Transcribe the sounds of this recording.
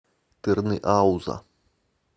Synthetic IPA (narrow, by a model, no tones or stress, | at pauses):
t̪ɨrnɨʔawza̰